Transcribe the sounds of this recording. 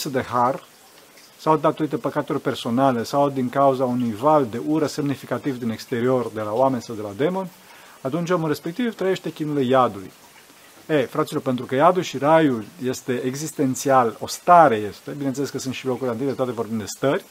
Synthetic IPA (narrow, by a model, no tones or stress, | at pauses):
səd̪e̞har | sawd̪at̪o̞ɾit̪epəkat̪urʲpe̞rso̞nale̞sawd̪iŋkauzaunujvald̪e̞ʔuɾəse̞mnifikat̪ivd̪inekst̪e̞ɾio̞rd̪e̞laowame̞nʲsawd̪elad̪e̞mo̞n | at̪unt͡ʃomunre̞spe̞k̚t̪ivt̪ɾəje̞ʃt̪e̞kʲinulejad̪uj | efɾat̪silo̞rpe̞nt̪ɾukəjad̪ulʃirajulje̞st̪e̞eɡzist̪e̞nt̪sialo̞st̪aɾe̞je̞st̪e̞binenseleskəsɨnt̪ʃilo̞kuɾileanit̪et̪at̪evo̞rbimnd̪d̪est̪ərʲ